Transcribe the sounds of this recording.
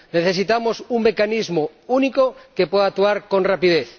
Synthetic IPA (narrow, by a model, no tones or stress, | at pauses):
neθesit̪amosuŋmekanizmo | unikokepweðak̚t̪uaɾkonrapiðeθ